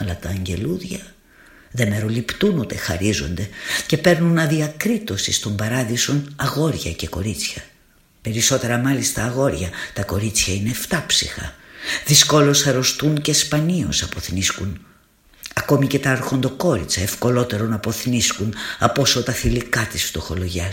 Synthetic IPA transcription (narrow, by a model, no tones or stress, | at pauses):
ɐlɐt̪ɐːɲɟe̞luðʝɐ | ðe̞me̞ɾo̞lipt̪unut̪e̞xɐɾizo̞nd̪e̞ce̞pe̞ɾnunɐðiɐkɾit̪o̞sist̪o̞mbɐɾɐðiso̞nɐɣo̞ɾʝɐ̰ce̞ko̞ɾit͡sçɐ | pe̞ɾiso̞t̪e̞ɾɐmɐlist̪ɐːɣo̞ɾʝɐt̪ɐko̞ɾit͡sçɐine̞ft̪ɐpsḭxɐ̰ðisko̞lo̞sɐɾo̞st̪unce̞spɐnio̞̰sɐpo̞θniskun | ɐko̞mice̞t̪ɐɐɾxo̞nd̪o̞ko̞ɾit͡sɐefko̞lo̞t̪e̞ɾo̞nɐpo̞θniskunɐpo̞so̞t̪ɐθilikɐt̪isft̪o̞xo̞lo̞ʝɐ